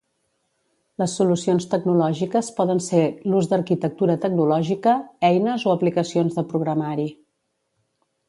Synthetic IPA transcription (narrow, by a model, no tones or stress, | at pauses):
ləsːulusionst̪əɡnulɔʒikəspɔðənseluzd̪əɾkit̪ək̚t̪uɾət̪əɡ̚nulɔʒikəɛjnəzoəplikəsionzðəpɾuɣɾəmaɾi